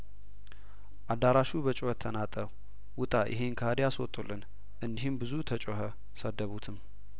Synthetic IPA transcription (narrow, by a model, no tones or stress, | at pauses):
ʔad̪ːaɾaʃubət͡ʃʼohət̪ʰːənat̪ʼəw | wʊt̪ʼajʔɪ̰ɦenkʰaad̪ejaswɔt̪ʼulːɨn | ʔɨnd̪iɦɨmbɨzut̪ʰət͡ʃʼoɦə | səd̪ːəβut̪ʰɨm